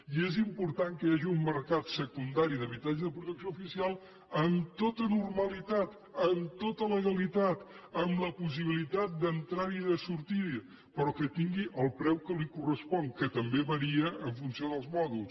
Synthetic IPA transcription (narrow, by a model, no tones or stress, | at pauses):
iezimpuɾt̪aŋkəjaʒiumməɾkat̪səkund̪aɾiðəβit̪ad͡ʒəðəpɾut̪əksioufisialˠ | ənt̪ot̪ənurməlit̪at̪ | ənt̪ot̪ələɣəlit̪at̪əmləpus̬iβ̞ilit̪at̪̚d̪ənt̪ɾaɾiðəsuɾt̪i | pəɾɔkət̪iŋɡiʔəlˠpɾɛwkəlikurəspɔŋkət̪əmbeβəɾiəəɱfunsioðəlˠzmɔðulˠs